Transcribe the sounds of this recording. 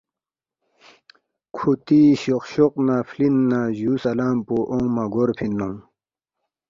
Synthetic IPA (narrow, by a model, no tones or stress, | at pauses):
kʰut̪iɕoqɕoq̚nafʰlinːaʑuːsɐlaːmpoʔõŋmaɡoɾpʰinːõŋ